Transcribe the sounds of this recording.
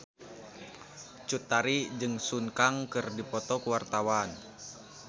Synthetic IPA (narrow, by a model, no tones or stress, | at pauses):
t͡ʃut̪ːaɾid͡ʒɨŋsunkaŋkɨrdipɔt̪ɔkuwart̪awan